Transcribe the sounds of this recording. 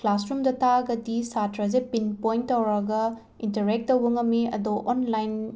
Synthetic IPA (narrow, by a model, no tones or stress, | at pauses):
klasɾumdɐtʰaɡɐdisatɾɐzepinpojntɐwɾɐɡɐ | intɐɾek̚tːɐwbɐŋɐmiɐ̰doʔonlajn